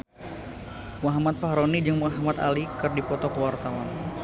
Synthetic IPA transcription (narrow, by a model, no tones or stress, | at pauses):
muaɦamat̪̚faɦɾonid͡ʒɨŋmuaɦamat̪a̰likɨrdipɔt̪ɔkəwart̪awan